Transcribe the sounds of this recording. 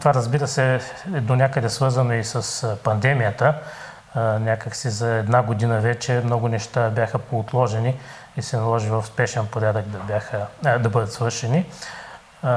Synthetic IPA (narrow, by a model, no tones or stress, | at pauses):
t̪ovaɾəzbiɾəsɛd̪onʲakəd̪ɛsvɤɾzənoisɐspɐnd̪ɛmijət̪ə | nʲakəksizɐɛd̪naɡʊd̪inəvɛt͡ʃɛmnɔɡʊnɛʃt̪abjaxəpoːt̪lˠɔʒɛni | isɛnɐlˠɔʒivɐfspɛʃɛnpoɾʲad̪əɡd̪ɐbʲaxəd̪ɐbɤd̪ət̪svɤɾʃɛni